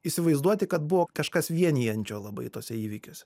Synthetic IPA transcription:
iːsʲɪʋɐɪzd̪uɔt̪ʲɪkɐt̪̚bʊʋoːkɐʃkɐsʋʲiɛnʲiːɐnʲt͡ʃʲoːlˠɐbɐ̰ɪt̪oːsʲɛiːʋʲɪkʲoːsʲɛ

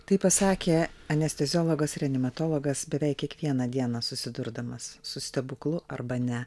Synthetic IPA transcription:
t̪ɐɪpɐsɑːkʲeːɐnʲɛsʲt̪ʲɛzʲɔːlˠɔɡɐsɪɾɐnʲɪmɐt̪oːlˠɔɡɐsbʲɛʋʲɛˑɪkʲiɛkʋʲiɛnɐd̪ʲiɛnɑsʊsʲɪd̪ʊɾd̪ɐmɐsːʊsʲt̪ʲɛbʊklˠʊɐɾbɐnʲɛ

